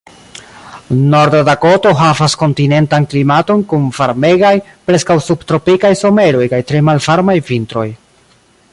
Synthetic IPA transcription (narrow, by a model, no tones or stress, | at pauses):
no̞ɾdadako̞to̞ɦavasko̞ntine̞ntanklimato̞nkunvaɾme̞ɡajpɾe̞skawsubtɾo̞pikajso̞me̞ɾo̞jkajtɾe̞malvaɾmajvintɾo̞̰j